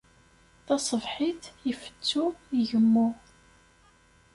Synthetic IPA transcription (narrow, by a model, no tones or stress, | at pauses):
θɑsˤəvħiθjəfə̥t͡sːuiʝəmːu